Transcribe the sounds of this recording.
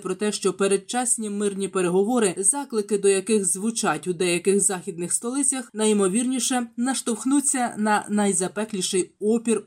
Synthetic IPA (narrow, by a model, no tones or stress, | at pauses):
pɾɔt̪ɛʃt͡ʃɔpeɾed̪̚t͡ʃɑsʲnʲimɪrnʲipe̞ɾeɦɔʋɔɾɪzɑklˠɪkɪd̪ɔjɐkɪxzʋʊt͡ʃɑtʲʊd̪ɛjɐkɪxzɑxʲid̪nɪxst̪ɔlˠɪt͡sʲɐxnɐjmɔʋʲirnʲiʃɛnɐʃt̪ɔwxnut͡sʲːɐnɐnɐjzɐpɛklʲiʃɪjɔpʲir